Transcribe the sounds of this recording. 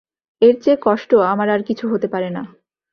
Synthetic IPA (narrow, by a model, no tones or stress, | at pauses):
eɾt͡ɕekɔʃʈoamaɾaɾkit͡ɕʰuɦot̪epaɾena